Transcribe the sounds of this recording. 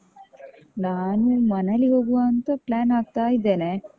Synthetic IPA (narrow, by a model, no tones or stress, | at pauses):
lanemɐnaliɦoɡuant̪əplænak̚t̪aid̪ene